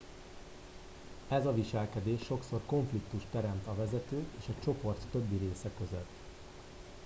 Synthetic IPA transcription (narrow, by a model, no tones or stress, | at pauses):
ɛzɒviʃɛlkɛd̪eːʃːo̞kso̞rko̞ɱflik̚t̪uʃt̪ɛɾɛmt̪ɒvɛzɛt̪øːkeːʃɒt͡ʃo̞po̞rt̪ːø̞bːiɾeːsɛkø̞zøt̪ː